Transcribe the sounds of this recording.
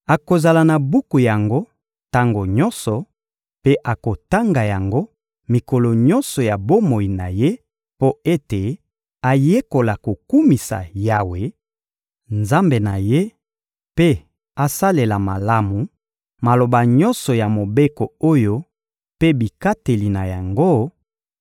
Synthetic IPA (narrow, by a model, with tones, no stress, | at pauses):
a˨ko˨za˨la˨na˨bu˦ku˨ja˨ŋɡo˦ | ta˦ŋɡo˨ɲɔ˦nsɔ˨ | pe˦ʔa˨ko˨ta˦ŋɡa˨ja˨ŋɡo˦ | mi˨ko˨lo˨ɲɔ˦nsɔ˨ja˨bo˦mo˨i˨na̰˨je˦ | po˦e˦te˨ | a˨je˦ko˨la˨ko˨ku˦mi˨sa̰˨ja˨we˨ | nza˦mbe˨na˨je˦ | pe˦ | a˨sa˦le˨la˨ma˨la˦mu˨ | ma˨lo˨ba˨ɲɔ˦nsɔ˨ja˨mo˨be˦ko˨o˦jo˦ | pe˦bi˨ka˦te˨li˨na˨ja˨ŋɡo˦